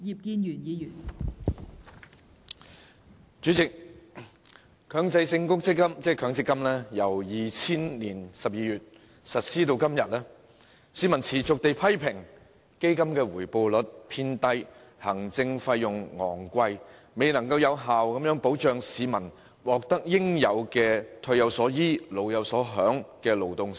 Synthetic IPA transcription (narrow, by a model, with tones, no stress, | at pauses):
jiː˨˩p̚kiː˧njyː˨˩njiː˨˧jyː˨˩n | t͡ʃyː˨˥t͡sɪ˨k̚ | kʰœː˨˧ŋt͡sɐ˧jsɪ˧ŋkʊ˥k̚t͡sɪ˥kːɐ˥mt͡sɛː˥kʰœː˨˧ŋt͡sɪ˥kːɐ˥mlɛː˥jɐ˨˩wjiː˨t͡sʰiː˥nliː˨˩nsɐ˨p̚jiː˨˧jyː˨t̚ | sɐ˨t̚siː˥t̪o˧wkɐ˥mjɐ˨t̚lɛː˥ | siː˨mɐ˨˩nt͡sʰiː˨˩t͡sʊ˨k̚t̪e˨jpʰɐ˥jpʰɪ˨˩ŋ | ke˥jkɐ˥mkɛː˧wuː˨˩jpo˨˧wlɵ˨˥t̚pʰiː˧˥nt̪ɐ˥j | hɐ˨˩ŋt͡sɪ˧ŋfɐ˧jjʊ˨ŋŋɔ̰ː˨˩ŋkʷɐ˧j | me˨˧jnɐ˨˩ŋkɐ˧wjɐ˨˧wɦaː˨wkɐ˨˦mjœː˨˥ŋpo˨˥wt͡ʃœː˨˧ŋsiː˨˧mɐ˨˩n | wɔː˨k̚t̪ɐ˥k̚jɪ˥ŋjɐ˨˧wkɛː˧t̪ʰɵ˧ɥjɐ˨˧wsɔː˨˥jiː˥lo˨˧wjɐ˨˧wsɔː˨˥ɦœː˨˥ŋkɛː˧lo˨˧wt̪ʊ˨˧ŋ